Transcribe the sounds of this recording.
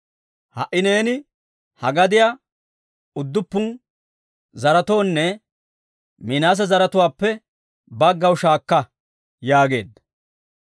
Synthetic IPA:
hɐ̰ʔːɪne̞ːnɪ | hɐɡɐd̪ɪja | ʊd̪ːʊpːʊn | zɐɾɐt̪o̞ːnːɛ | minaːs̬ɐzɐɾɐt̪ʊwaːpːɛ | bɐɡːɐwʃaːkːɐ | jaːɡe̞̰ːd̪ːɐ

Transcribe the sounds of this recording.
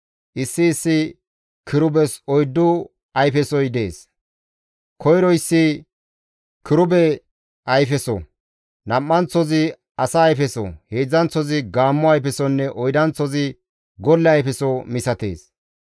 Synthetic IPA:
ʔɪsːɪːsːɪ | kɪɾʊbɛsɔjd̪ːʊ | ɐjfɛsɔjd̪e̞ːs | kʰɔjɾɔɪsːɪ | kɪɾʊbɛ | ɐjfɛsɔ̰ | nɐmːɐnt͡sːɔzɪ | ɐsɐːjfɛsɔ̰heːd͡zːɐnt͡sːɔzɪɡaːmːʊɐjfɛsɔnːɛʔɔjd̪ɐnt͡sːɔzɪ | ɡɔlːɛɐjfɛsɔmɪsɐt̪e̞̰ːs

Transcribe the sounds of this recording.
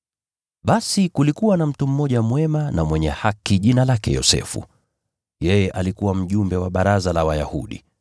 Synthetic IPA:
ɓasikulikuwanam̩tum̩ːɔʄamwɛmanamwɛɲɛ̰hakiʄinalakɛ̰jɔ̰sɛ̰fṵ | jɛjɛʔalikuwam̩ʄumbɛwaɓaɾazalawaja̰hṵɗḭ

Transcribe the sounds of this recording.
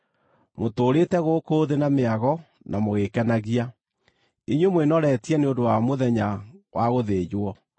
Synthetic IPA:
motoːɾetɛɣokoːðenameaɣɔ | nʔamoɣekɛnaɣia | eɲwemwenɔɾɛtiɛneondowamoðɛɲawʔaɣoðeːjwɔ

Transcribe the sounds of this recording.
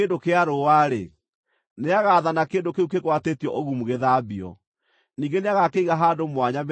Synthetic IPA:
endokeaɾowaɾḛ | neaɣaðanakeːndokeukekwateːtjɔʔoɣumuɣeðaːbiɔ̰ | niːɡeneaɣakeiɣaɦadomwaɲam

